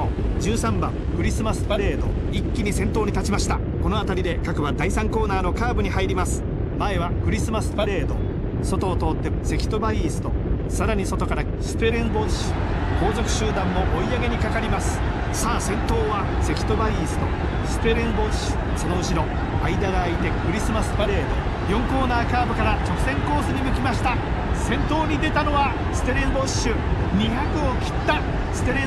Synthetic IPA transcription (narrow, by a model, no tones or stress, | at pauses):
od͡ʑɨːsãmbã̰ŋ | kɯ̟ɾʲisɨmasɨ̥paɾe̞ːd̪o̞̰ | ikʲːiɲ̟isẽ̞nt̪o̞ːɲ̟it̪at͡ɕimaɕi̥t̪a | ko̞no̞at̪aɾʲid̪e̞kakɯ̟βad̪aisãŋko̞ːnaːno̞kaːbɯ̟ɲ̟ihaiɾʲimasɨ̥ | mae̞βakɯ̟ɾʲisɨmasɨ̥paɾe̞ːd̪o̞̰ | so̞t̪o̞ːt̪o̞ːt̪ːe̞se̞kʲi̥t̪o̞baiːsɨ̥t̪o̞̰ | saɾaɲ̟iso̞t̪o̞kaɾa | sɨ̥pe̞ɾẽmbo̞ːd͡ʑɕi̥ | ko̞ːzo̞kɯ̟̥ɕɨːd̪ãmːo̞ʔoiaɡe̞ɲ̟ikakaɾʲimasɨ̥ | saːsẽ̞nt̪o̞ːβa | se̞kʲi̥t̪o̞baiːsɨ̥t̪o̞̰ | sɨ̥t̪e̞ɾẽmbo̞ɕɨ̥ | so̞no̞ɯ̟ɕiɾo̞ | aid̪aɡaːit̪e̞kɯ̟ɾʲisɨmasɨ̥baɾe̞ːd̪o | jõ̞ŋko̞ːnaːkaːbɯ̟kaɾat͡ɕo̞kɯ̥sẽ̞ŋko̞ːsɨɲ̟imɯ̟kʲimaɕi̥t̪a | sẽ̞nt̪o̞ːɲ̟id̪e̞t̪ano̞βa | sɨ̥t̪e̞ɾẽ̞mbo̞ɕɨ | ɲʲiɦakɯ̟o̞kʲi̥t̪ːa | sɨ̥t̪e̞ɾẽ